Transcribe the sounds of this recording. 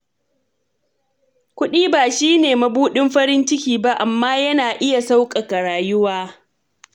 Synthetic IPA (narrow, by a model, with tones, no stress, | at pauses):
kʷʊ˦ɗiː˦baː˨ʃiː˦neː˨mɐ˦buː˦ɗɪ˦mɸɐ˦ɾɪ˦nt͡ʃɪ˦kʲiː˨ba˦ʔa˨mːaː˦jɐ˦naː˨ʔɪ˦ja˨sa˦wkʼɐ˨ka˨ɽaː˨jʊ˦waː˦